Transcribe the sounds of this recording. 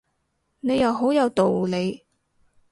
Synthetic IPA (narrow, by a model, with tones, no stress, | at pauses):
ne˨˧jɐ˨˧wɦo˨˥wjɐ˨˧wt̪o˨wle˨˧j